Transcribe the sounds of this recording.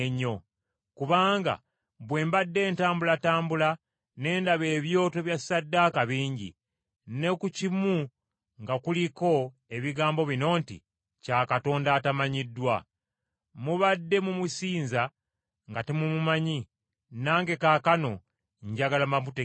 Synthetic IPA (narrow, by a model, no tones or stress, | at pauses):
eɲo̞ | kuβaːŋɡa̰ | βwe̞ːmbadːe̞ːntaːmbulataːmbula | ne̞ːndaβe̞ːβjo̞ːte̞βjasadːaːkaβiːɲɟḭ | ne̞kucimu | ŋɡakuliko̞ | e̞βiɡaːmbo̞βino̞ːntḭ | caːkato̞ːndaːtamaɲidːwa | muβadːe̞mumusiːnza | ŋɡatemumumaɲi | naːŋɡe̞kaːkano̞ | ɲɟaɡalamamute